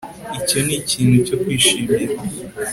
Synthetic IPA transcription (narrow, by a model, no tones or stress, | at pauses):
ico̞niciːnhuco̞kwiːʃiːmiɾa